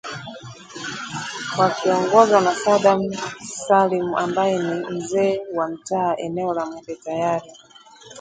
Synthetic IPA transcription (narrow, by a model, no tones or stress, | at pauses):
wakiɔŋɡɔzanasaɗamsalimuʔambajɛnim̩zɛːwam̩taːʔɛnɛɔlamwɛbɛtajaɾi